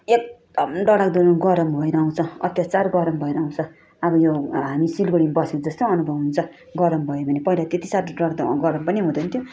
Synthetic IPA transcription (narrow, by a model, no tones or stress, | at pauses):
ek̚ | ɖʌɽakd̪onoɡʌɾʌmbʱʌiɾaũt͡sʰʌ̃ʌ̰t̪jat͡sarɡʌɾʌmbʱʌiɾaũt͡sʰʌ̃ | ʌbʌjoɦamisilɡʌɽimbʌsekd͡zʌst̪oʌnubʱʌbɦunt͡sʰʌ̃ | ɡʌɾʌmbʱʌjobʱʌnepʌilat̪et̪isaʈɖʌɽad̪ɡʌɾʌmpʌniɦũd̪ʌnt̪ʰjo